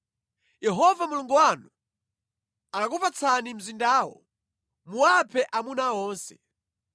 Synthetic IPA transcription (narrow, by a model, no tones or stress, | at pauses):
jɛɦɔvamuluŋɡuwanu | akakupat͡sʰanim̩zindaːwɔ̰ | muwapʰɛʔamunaɔːnsɛ̰